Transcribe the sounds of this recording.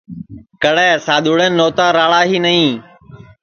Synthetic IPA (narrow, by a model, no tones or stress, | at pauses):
kəɽɛːsaːɗ̪ʱuːɽẽːnːoːt̪aːɾaːɭaːɦiːnəĩː